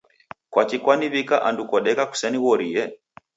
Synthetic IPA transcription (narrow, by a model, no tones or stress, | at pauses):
kwat͡ʃikwaniβikaʔandukɔɗɛkaku̥sɛniɣɔɾijɛ